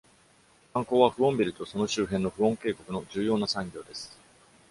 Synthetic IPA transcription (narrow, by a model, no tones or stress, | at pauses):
kãŋko̞ːβaɸɯ̟õ̞mbʲiɾʲɯ̟t̪o̞so̞no̞ɕɨːɦẽ̞nːo̞ɸɯ̟õ̞ŋke̞ːko̞kɯ̟no̞d͡ʑɨːjo̞ːnasãŋɡʲo̞ːd̪e̞sɨ̥